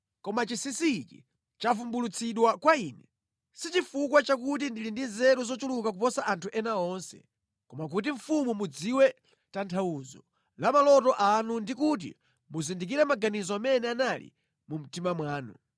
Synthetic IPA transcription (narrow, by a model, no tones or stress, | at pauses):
kɔmat͡ʃisisikḭ | t͡ʃafumbulut͡sʰiɗwakwaiːnɛ | sit͡ʃifukwat͡ʃak̬ut̬indilindinzɛɾuzɔt͡ʃulukak̬upɔsaʔantʰuʔɛnaɔnsɛ̰ | kɔmak̬ut̬iɱ̩fumumud͡ziwɛ | tantʰauzɔ̰ | lamalɔtɔʔanundikut̬ḭ | muzindik̬iɾɛmaɡanizɔamɛnɛanalḭ | mum̩timamwaːnṵ